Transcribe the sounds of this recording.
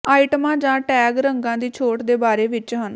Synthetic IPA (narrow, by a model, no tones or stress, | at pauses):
aːɪʈmãːd͡ʒãːʈɛːɡɾəŋɡãːd̪iːt͡ʃʰoːʈd̪eːbaːɾeːʋɪt͡ʃɦən